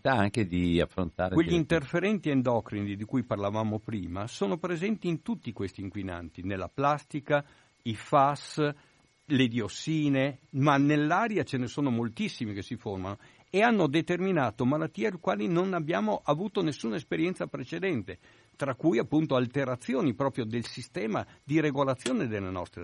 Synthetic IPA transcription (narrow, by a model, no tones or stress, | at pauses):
t̪aaŋked̪ia̰fɾo̰nt̪aːɾeweʎːint̪erfeɾɛnt̪iend̪ɔkɾinid̪id̪ikujparlavaːmopɾiːmasoːnopɾezɛnt̪iːnt̪ut̪ːikwest̪iːŋkwina̰nt̪inelːa̰plast̪ika | ifas | led̪iosːiːnemanelːaːɾjat͡ʃenesoːnomolt̪isːimikesiformano | eanːod̪et̪erminaːt̪omalat̪ːiːelkwaːlinonabːjaːmoʔavuːt̪onesːuːnaespeɾjɛnsapɾet͡ʃed̪ɛnt̪e | t̪ɾakːujapːunt̪oalt̪eɾat̪sːjoːnipɾɔːpɾjod̪elsist̪ɛːma̰d̪iɾeɡolat̪sːjoːned̪elːenɔ̰st̪ɾe